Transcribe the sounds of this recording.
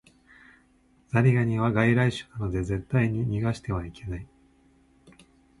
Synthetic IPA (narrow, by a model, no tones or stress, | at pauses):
z̥aɾʲiɡaɲ̟iβaɡaiɾaiɕɨ̥nano̞d̪e̞ze̞t̪ːaiɲ̟iɲʲiɡaɕi̥t̪e̞βaike̞nai